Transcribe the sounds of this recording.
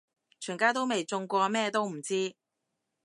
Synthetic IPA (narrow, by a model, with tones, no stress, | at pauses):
t͡ʃʰyː˨˩ŋkaː˥t̪̬o˥wme˨jt͡sʊ˧ŋkʷɔː˧mɛː˥t̪o˥wm̩˨˩t͡siː˥